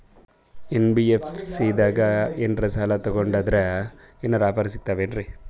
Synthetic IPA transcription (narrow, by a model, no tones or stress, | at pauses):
enbiefʰsid̪aːɡɐenɾɐsaːlɐt̪ɔɡoɳɖaːd̪ɐɾe | enːɐɾaːpɐɾis̬it̪ːaːʋenɾi